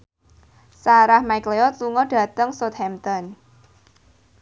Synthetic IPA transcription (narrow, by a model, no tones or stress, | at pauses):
saɾahmajkleɔt̪̚luŋɔɖ̥ä̤t̪əŋsɔt̪̚hɛmt̪ɔn